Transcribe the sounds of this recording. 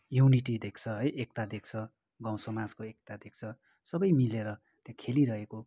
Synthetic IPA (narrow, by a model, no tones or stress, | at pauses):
juniʈid̪ekʰt͡sʰʌɦʌjʔekt̪ad̪ek̚t͡sʰʌ | ɡãw̃sʌmad͡zkoek̚t̪ad̪ek̚t͡sʰʌ | sʌbʌjmileɾʌ | t̪jãkʰeliɾʌɦeko